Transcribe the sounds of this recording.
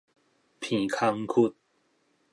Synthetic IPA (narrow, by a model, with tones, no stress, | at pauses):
pʰĩ˨˩kʰa˧ŋkʰu˥˦˧t̪̚